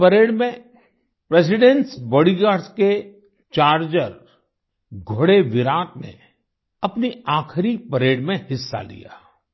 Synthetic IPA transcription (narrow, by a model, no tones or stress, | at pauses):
pɐɾeːɽmẽ | pɾeːsɪɖẽnsbɔːɽiɡaːske | t͡ʃaːɾd͡ʒəɾ | ɡʱʊɽeʋɪɾaːt̪nḛ | ɐpniaːkʰɾipɐɾeːɽmẽhɪsːa̰lḭja̰ː